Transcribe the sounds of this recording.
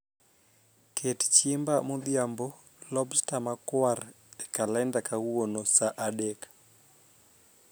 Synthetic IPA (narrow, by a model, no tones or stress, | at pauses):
kʰett͡ʃɪmbamod̪jambɔ | lɔbstamakwar | ɛkalɛndakawuonosaʔaɗek